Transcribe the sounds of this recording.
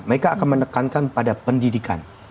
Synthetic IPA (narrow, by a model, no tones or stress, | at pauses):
məɾekaːkanmənəkankanpadapəndidika̰n